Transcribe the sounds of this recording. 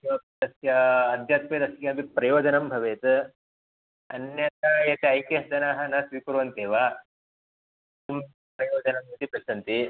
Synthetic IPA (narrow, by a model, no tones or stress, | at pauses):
ɐd̪ɐsjɐːd̪ʱjaːt̪ped̪ɐsjɐːnbipɾɐjoːd͡ʒɐnɐmbʱɐʋeːt̪ | ɐnjɐt̪aːjɐt̪eɐjkeɦɐd͡ʒ̪ɐnaːɦɐ̆nɐsʋiːpuɾʋɐnt̪eːʋaː | sum | pɾɐjoːd͡ʒɐnɐmɐt̪ipɾɐsɐnt̪i